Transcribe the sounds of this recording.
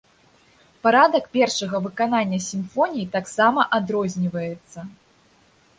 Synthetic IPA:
paɾad̪ɐkpʲɛrʂɐɣɐvɨkananʲːɐsʲimfɔnʲijit̪aksamɐʔad̪ɾɔzʲnʲivɐjɛt̪sːɐ

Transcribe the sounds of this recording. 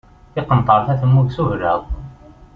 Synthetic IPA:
θɪqənt̪ˤəɾˤθæθəmːuɡsuhɾə̰ðˤ

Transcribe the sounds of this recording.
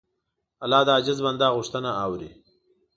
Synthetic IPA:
alɑːd̪aːd͡ʒɪzband̪ɑɣʊʂt̪ənaawɾḭ

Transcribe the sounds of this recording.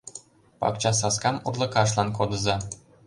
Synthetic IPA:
pɑ̰kt͡ɕɑs̬ɑskɑmurlˠɤ̆kɑʃ̬lˠɑnkod̪ɤ̆zɑ

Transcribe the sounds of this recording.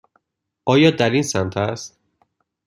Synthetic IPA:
ʔɒːjɒːd̪æɾinsænt̪ʰæst̪

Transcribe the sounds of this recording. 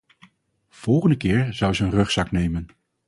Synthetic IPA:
v̥ɔlˠχəndəkɪːɹz̥ʌwzəənrɵχsɑknejmən

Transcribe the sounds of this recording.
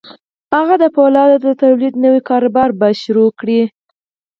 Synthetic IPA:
haɣad̪əpolɑd̪ad̪ət̪awlid̪nəwikɑɾʊbɑɾbaʃʊɾokɽi

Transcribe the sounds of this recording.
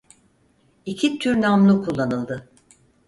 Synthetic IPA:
icʰit̪ʰyɾnamlˠukʰulˠːanɯlˠd̪ɯ

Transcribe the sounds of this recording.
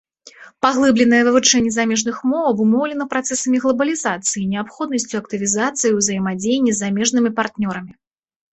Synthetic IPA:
paɣlˠɨblʲɛnɐjɐvɨvut͡ʂɛnʲːɛzamʲɛʐnɨxmɔɐbumɔwlʲɛnɐpɾat̪sɛsɐmʲiɣlˠɐbɐlʲizat̪sɨjinʲɛapxɔd̪nɐsʲt͡sʲuɐk̚t̪ɨvʲizat̪sɨjiwzɐjmad͡zʲejnʲːɛzːamʲɛʐn̪ɨmʲipart̪nʲɔɾɐmʲi

